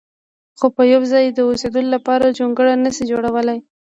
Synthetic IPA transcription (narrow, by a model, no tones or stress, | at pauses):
xopəjawzɑjd̪əosed̪əlolapɑɾad͡ʒoŋɡəɽanasid͡ʒoɽawəlaj